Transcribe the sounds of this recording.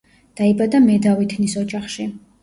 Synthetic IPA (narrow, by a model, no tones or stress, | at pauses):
d̪̥aibad̪amɛd̪avit̪ʰnisɔd͡ʒaχʃi